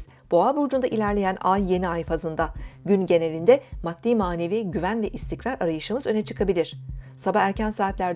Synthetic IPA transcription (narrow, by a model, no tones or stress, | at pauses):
z̥ | b̥o̞abuɾd͡ʒund̪aʔilʲæɾlʲe̞jænajːe̞niajfazɯnd̪aɟynɟe̞ne̞lʲind̪ɛmat̪ːiːmaːne̞viɟyvænvɛʔist̪ʰicɾaɾaɾajɯʃɯmɯzø̞nɛt͡ʃʰɯkʰabilʲiɾ̥sabaæɾcænsaːt̪lʲæɾd̪